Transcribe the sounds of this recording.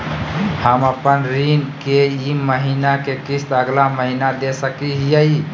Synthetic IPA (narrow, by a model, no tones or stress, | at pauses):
həməpənɾinkeiməɦinakekist̪əɡlaməɦinad̪esəkiɦiəi